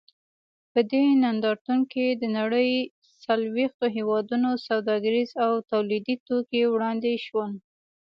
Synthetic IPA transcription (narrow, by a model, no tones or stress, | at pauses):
pəd̪enand̪ɑɾt̪uŋked̪ənaɽəj | salwext̪oɦewɑd̪unosawd̪ɑɡaɾizawt̪awlid̪it̪okewɽɑnd̪eʃwən